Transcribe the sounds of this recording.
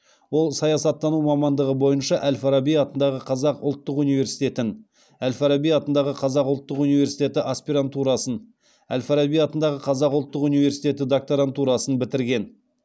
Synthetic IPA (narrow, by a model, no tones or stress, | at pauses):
wo̞lˠsɑjɑsɑt̪ːɑnumɑmɑnd̪əʁəbo̞jənʃɑʔælfaɾabijɑt̪ənd̪ɑʁəqʰɑzɑqʊlˠt̪ːəqunijve̞ɾsijt̪e̞t̪ɪn | ælfɑɾabijɑt̪ənd̪ɑʁəqʰɑzɑqʊlˠt̪ːəqunijve̞ɾsijt̪e̞t̪ɪʔaspiɾant̪ʰːuɾɑsən | æ̰lfɑɾabijɑt̪ənd̪ɑʁəqʰɑzɑqʊlˠt̪ːəqunijve̞ɾsijt̪e̞t̪̬ɪd̪ok̚t̪oɾant̪ʰːuɾɑsənbɪt̪ɪɾɡʲe̞n